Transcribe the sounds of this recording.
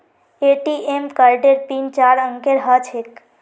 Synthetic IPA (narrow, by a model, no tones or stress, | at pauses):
eʈiʔemkəɾɖeɾt̪int͡ʃaɾəŋkeɾɦət͡ʃʰek